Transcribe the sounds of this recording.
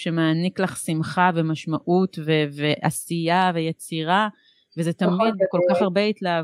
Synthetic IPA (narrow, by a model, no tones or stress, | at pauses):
ʃemaːniklaχsimχavemaʃmaʔutveveʔa̰sijave̞jet͡siʁa | vezet̪amid̪̚beko̞lkaχaʁbe̞it̪la